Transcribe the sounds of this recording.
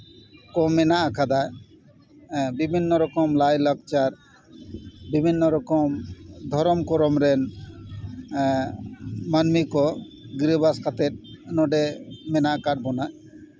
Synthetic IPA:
kɔmːɛnaʔakʰad̪aj | bibʱinːɔɾɔkɔmlajlɔk̚t͡ʃaɾ | bibʱinːɔɾɔkɔmd̪ʱɔɾɔmkɔɾɔmɾɛn | manmikɔ | ɡɾebaskʰat̪ɛt̪̚nɔɖemɛnaʔkaʈbɔnaj

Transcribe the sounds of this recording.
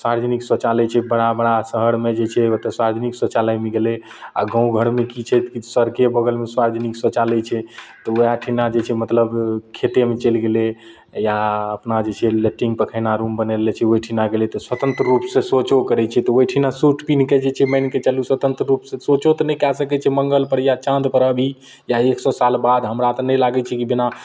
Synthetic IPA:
saɾd͡ʒniksət͡ʃalɛt͡ʃʰɛbəɽabəɽasəɦəɽmed͡ʒet͡ʃʰɛot̪əsaɾd͡ʒniksot͡ʃaləjmiɡele | a̰ɡə̃ũɡʱəɾmekit͡ʃʰɛt̪kisəɾkebəɡəlmeswaɾd͡ʒəniksət͡ʃalɛt͡ʃʰɛt̪ɔojaʈʰinad͡ʒet͡ʃʰɛmət̪ləbkʰet̪emet͡ʃelɡele | jaəpnad͡ʒet͡ʃʰɛleʈĩŋɡpəkʰɛnaɾumbənɛɾlɛt͡ʃʰɛojʈʰinaɡelet̪ɔswət̪ə̃nt̪ɾəːupsẽsot͡ʃokəɾɛt͡ʃʰɛt̪ɔojʈʰinasuʈʰpinked͡ʒet͡ʃʰɛməjnket͡ʃəluswət̪ə̃nt̪ɾəɾupsẽsot͡ʃot̪ɔnɛkɛsəkɛt͡ʃʰɛməŋɡəlpəɾjat͡ʃãnd̪pəɾəbʱi | jaeksɔsalbad̪ɦəmɾat̪nɛjlaɡɛt͡ʃʰɛkibina

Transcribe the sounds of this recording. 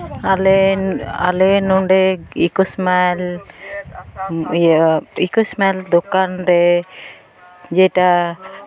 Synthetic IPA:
alɛa̰lenɔɳɖɛikusmal | ikusmald̪ɔkanɾɛ | d͡ʒɛʈa

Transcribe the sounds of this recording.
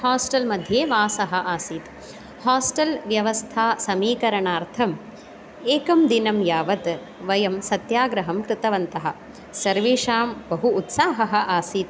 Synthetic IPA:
haːsʈɐlmɐd̪ʱjeːʋaːsɐɦɐ̆ʔaːsiːt̪ | haːsʈɐlʋjɐʋɐst̪ʰaːsɐmiːkɐɾɐɳaːɾt̪ʰɐm | eːkɐmd̪inɐmjaːʋɐt̪ | ʋɐjɐmsɐt̪jaːɡɾɐɦɐmkɾɪt̪ɐʋɐnt̪ɐɦɐ̰̆ | sɐɾʋeːʂaːmbɐɦuːt̪saːɦɐɦɐ̆ʔaːsiːt̪

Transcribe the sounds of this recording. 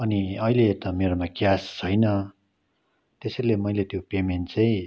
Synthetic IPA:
ʌniʌilet̪ʌmeɾomakjast͡sʰʌjnʌ | t̪esʌɾilemʌilet̪jopemenʈt͡saĩ

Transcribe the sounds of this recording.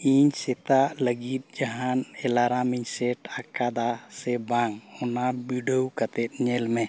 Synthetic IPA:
iɲsɛt̪aʔləɡit̪̚ˀd͡ʒaɦanɛlaɾamiɲsɛʈakad̪asɛbaŋhɔnabiɖəwkat̪ɛt̪̚ˀɲɛlmɛ

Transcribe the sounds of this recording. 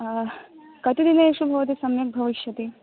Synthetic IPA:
kɐt̪id̪inɐeʃubʱɐʋɐt̪̬isɐmjɐk̚bʱɐʋiʃjɐt̪i

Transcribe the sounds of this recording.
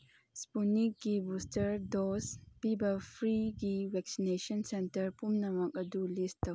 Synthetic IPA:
spunik̚ɡibustɐɾdɔspibɐpʰɾiɡiwɛk̚sinesɔnsɛntɐɾpumnɐmɐk̚ɐdulistːɐw

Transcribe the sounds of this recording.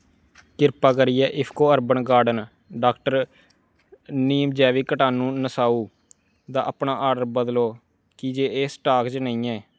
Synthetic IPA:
kɪɾpaːkəɾijɛːʔɪpʰkoːəɾbənɡaːɾɖən | ɖaːkʈəɾ | niːmd͡ʒɛːʋiːkəʈaːnũːnəsaːuː | d̪aːʔəpɳaːʔaːɾɖəɾbəd̪loː | kid͡ʒeːeːsʈaːkt͡ʃnəĩːɛː

